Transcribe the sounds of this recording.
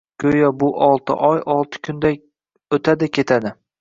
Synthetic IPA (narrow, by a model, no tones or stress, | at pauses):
kʲʰɵjɒbʊʔɒlˠt̪ʰɪ̰ʔɒjʔɒlˠt̪ʰɪ̥kʲʰʊnd̪a | ɵt̪ʰad̪ɪkʲʰe̞t̪ʰad̪ɪ